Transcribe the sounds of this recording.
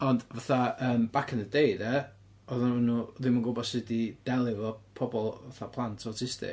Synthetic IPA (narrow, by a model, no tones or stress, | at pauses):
ɔndvaθaəːmb̥akʰənədeɨdɛ | ɔðanɪnːuːðɪməŋɡʊbɔsɪdid̥ɛlˠɪvɔpʰɔbɔlˠvaθapʰlˠantʰɔtʰɪstɪ̰